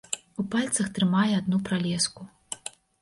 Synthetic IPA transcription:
upalʲt̪sɐxt̪ɾɨmajɛad̪nupɾalʲɛsku

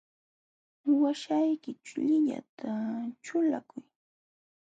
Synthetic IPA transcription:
waʃajkɪt͡ʃʊʎɪʎa̰t̪ʰat͡ʃʊlakʊj

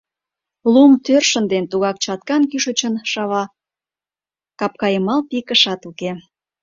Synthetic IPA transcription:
lumt̪ørʃənd̪ent̪uɣɑk̚t͡ɕɑt̪kɑnkyʃə̆t͡ɕənʃɑβɑ | kɑp̚kɑjəmɑlpikəʃɑt̪uke

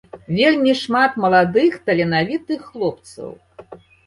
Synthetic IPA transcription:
vʲelʲmʲiʂmat̪mɐlˠad̪ɨxt̪ɐlʲɛnavʲit̪ɨxːlˠɔp̚t̪sɐ̰w

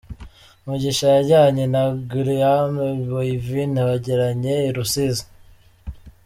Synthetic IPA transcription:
muɟiʃajaɟaɲenaɡiɾiameβoivinaβaɟeɾaɲeiɾusizḁ

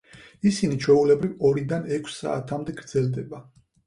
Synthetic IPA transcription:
isinit͡ʃʰwɛulɛbɾivɔɾid̪anɛkʰsa̰ːt̪ʰamd̪ɛɡɾd̪zɛld̪ɛba

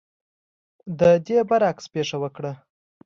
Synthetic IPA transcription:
d̪əd̪ebaɾakspeʂawəkɽə

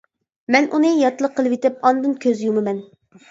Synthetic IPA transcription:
mɛnʔunɨjɑt̪lˠəqʰːəlˠɨvit̪ɪp̚ɑnd̪ɨnkʲʰøzjumɨmɛn

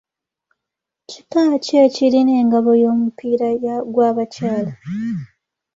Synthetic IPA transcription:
citaːce̞ːciline̞ːŋɡaβo̞jo̞ːmupiːɾajaɡwaːβacaːla

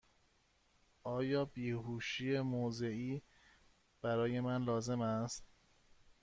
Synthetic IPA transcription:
ʔɒːjɒːbiːɦuːʃiːemoze̞iː | b̥æɾɒːje̞mænlɒːze̞mæst̪̚

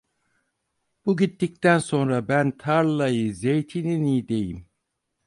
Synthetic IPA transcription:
b̥uɟit̪ːic̚t̪ʰænso̞nɾabænt̪ʰaɾlˠajɯzejt̪ʰininid̪e̞jim

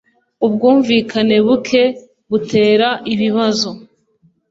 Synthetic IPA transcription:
ub̚ɡuːɱviːkʰane̞βukʰe̞ | βutʰe̞ːɾaʔiβiβazo̞

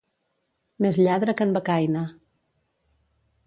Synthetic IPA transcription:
mezʎaðɾəkəmbakajna

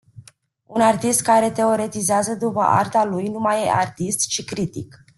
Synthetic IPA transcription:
unart̪ist̪̚kaɾe̞t̪e̞o̞ɾe̞t̪izeazəd̪upə̰ʔa̰rt̪alujnumajeʔart̪ist̪t͡ʃikɾit̪ḭk

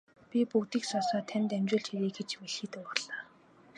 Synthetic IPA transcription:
pʲipukt̪iːksɔsɔːt̪ʰænt̪æmt͡ɕʊːɮt͡ɕxiɾiːɡet͡ɕmeɮxiːt̪ɘ̆pɔrɮ̥aː

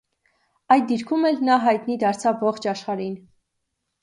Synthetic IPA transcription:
ɑjd̪̚d̪iɾkʰumɛlnɑɦɑjt̪nid̪ɑɾt͡sʰɑvːɔχt͡ʃʰɑʃχɑɾin

